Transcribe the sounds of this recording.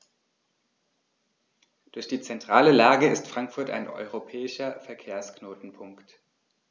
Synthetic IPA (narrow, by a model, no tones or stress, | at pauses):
d̥ʊɐçd̥iːt͡sɛntʁ̥aːləlaːɡəɪstfʁ̥aŋkfʊɐta̰ɪnʔɔ̰ʏʁopʰɛːɪʃɐfɛɐkʰeːɐsknoːtn̩pʰʊŋkt